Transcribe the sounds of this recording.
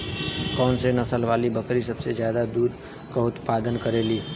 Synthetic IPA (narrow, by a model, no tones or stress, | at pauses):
kɔːnsenɐsəlʋaːlibɐkɾisɐbsezjaːd̪ad̪uːɾ | kaʊt̪paːd̪ənkɐɾeːliː